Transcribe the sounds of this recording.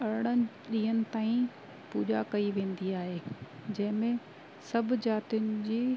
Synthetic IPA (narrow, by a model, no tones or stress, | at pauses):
ɐɾɪɽ̃ənɪ | ɗiːɦənɪ̆t̪aːĩ | puːd͡ʑa̰kɐiʋẽːn̆d̪iaːɦed͡ʑɐ̃ɦɪ̃mẽ | sɐbʱʊ̆d͡ʑaːt̪ijʊnɪ̆d͡ʑiː